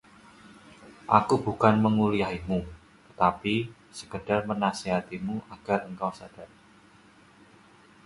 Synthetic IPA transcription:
ʔakubukanməŋulijaɦimu | t̪ət̪api | sə̥kəd̥armənaseɦat̪imuʔaɡ̥arəŋkawsad̥a

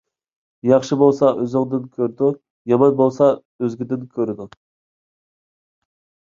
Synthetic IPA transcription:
jɑχʃɨbolˠsɑʔøzɨŋd̪ɨnkʲʰøɾd̪u | jɑmɑnbolˠsɑ | øzɡʲid̪ɪnkʲʰøɾɪd̪u

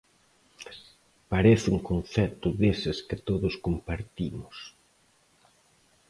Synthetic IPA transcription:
paɾeθuŋkonθɛt̪ʊðesɪskɪt̪oðʊskompaɾt̪imʊs

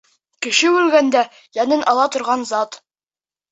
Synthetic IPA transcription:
kɘ̆ʃɘʉlɡænd̪æ | jænɘnʔɑlˠɑt̪ŏɾʁɑnzɑt̪

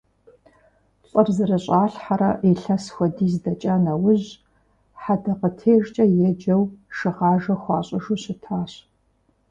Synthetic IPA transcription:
ɕʼɐrzɨrɐɕʼaːɬħaɾɐʔiɬɐsxʷɔdiːzdɐt͡ʃʼanɐwʊʑ | ħadɐqətʰeːʒt͡ʃʼɐjɛd͡ʒɐwʃɨʁɑːʒɐxʷɑːɕʼɪʒuɕɪtʰaːɕ

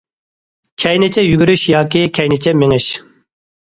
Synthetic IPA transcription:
kʲʰɛjnɪt͡ʃʰɛjyɡʲyɾyʃjɑːkʲikʲʰɛjnɪt͡ʃʰɛmɪŋɪʃ

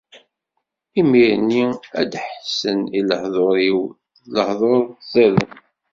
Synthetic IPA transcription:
imiɾniæd̪ħsəniləħðˤoɾiw | ləħðˤoɾzæðə̰n

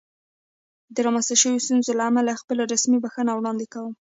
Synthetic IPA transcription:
d̪əɾɑmanst̪aʃəwjost̪unzolaːmalaxpəlaɾasmibaxənawɽɑnd̪ɪkawəm

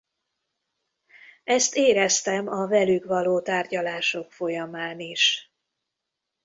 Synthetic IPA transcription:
ɛst̪eːɾɛst̪ɛmɒvɛlyɡʋɒloːt̪aːrɟɒlaːʃo̞kfo̞jɒmaːniʃ

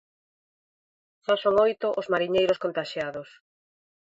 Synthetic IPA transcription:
ʃasoŋojt̪ʊʔozmaɾiɲejɾoskont̪aʃjaðos

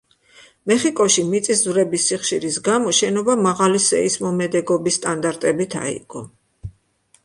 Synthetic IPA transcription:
mɛχikʼɔʃimit̪sʼiszvɾɛbisːiχʃiɾisɡamɔʃɛnɔbamaʁalisɛ̰ismɔmɛd̪ɛɡɔbisːt̪ʼand̪aɾt̪ʼɛbit̪ʰa̰ḭɡ̥ɔ

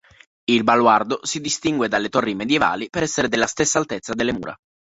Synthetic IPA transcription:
ilbalward̪osid̪ist̪iŋɡwed̪alːet̪orːimed̪jeva̰ːlipeɾɛsːeɾed̪elːast̪esːaːlt̪et̪sːad̪elːemṵːɾa̰

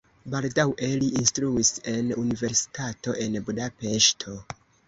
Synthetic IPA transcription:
baldawʔe̞liinstɾuise̞nunive̞ɾsi̥tato̞ʔe̞nbudape̞ʃtʰo̞

